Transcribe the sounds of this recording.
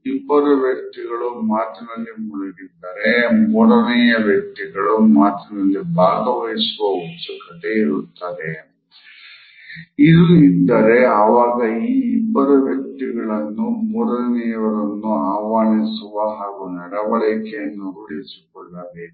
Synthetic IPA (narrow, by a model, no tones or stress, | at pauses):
ibɐɾɐʋjɐk̚t̪iɡɐɭumaːt̪ɐnɐlːimuɽɐɡid̪ːɐɾemɔɽɐnɛjɐʋjɐk̚t̪iɡɐɭumaːt̪ɐnɐlːibʱaːɡɐʋɐjsuʋɐut̪sɐkɐt̪e̞iɾṵt̪ːaːd̪e | id̪uid̪ːɐɾe̞ɐʋaːɡɐiːbːɐɾuʋjɐk̚t̪iɡɐɭɐnːumɔɽɐɐnɛjɐʋɐɾɐnːuaːʋaːɳisuʋɐɦaːɡunɐɽɐʋɐɭɐkɛjɐnːuɾuɭesi̥kɔɭːaːd̪e